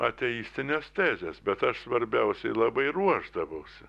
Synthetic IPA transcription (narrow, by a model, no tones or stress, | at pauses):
ɐt̪ʲɛjiːsʲt̪ʲɪnʲest̪ʲæːzʲesbʲɛt̪ɐʃsʋɐɾʲbʲɛʊsʲɛɪlˠɐbɐɪruɔʒd̪ɐʋɐʊsʲɪ